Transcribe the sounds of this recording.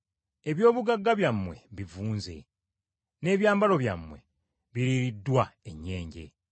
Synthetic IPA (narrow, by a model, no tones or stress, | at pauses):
e̞βjo̞ːβuɡaɡːaβjamːwe̞̰βivuːnze̞̰ | ne̞ːβjaːmbalo̞βja̰mwe̞̰ | βiɾiɾidːwaeɲːe̞ːɲɟe̞̰